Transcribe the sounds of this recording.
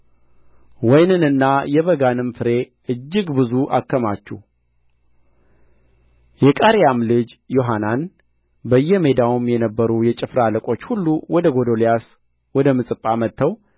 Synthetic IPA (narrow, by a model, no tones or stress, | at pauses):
wɔjnɨnɨnːajɛβəɡanɨmfɨɾe̞ | ʔɨd͡ʒːɪɡbɨzuʔa̰kːəmat͡ʃːuh | jɛkʼaɾjamlɨd͡ʒjo̞ɦanan | bəjːɛme̞d̪awumjɛnəbːəɾujɛt͡ʃʼɪfɾaləkʼo̞t͡ʃːhulːuwɔd̪əɡo̞d̪olijas | wɔd̪əmɨsʼɨpʼːamət̪ʰːəw